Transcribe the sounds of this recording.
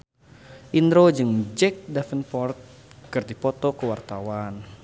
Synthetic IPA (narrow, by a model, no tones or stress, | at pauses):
ʔind̪ɾod͡ʒɨŋd͡ʒɛk̚dafənpɔrt̪̚kɨrdipɔt̪ɔkəwart̪awan